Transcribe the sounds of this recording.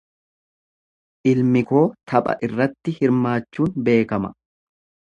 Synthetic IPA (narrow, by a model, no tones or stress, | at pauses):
ʔɪlmɪko̞ːt̪ʰɐpʼɐ̰ʔɪrːɐt̪ːɪhɪɾmaːt͡ʃːuːnbe̞ːkɐmɐ̰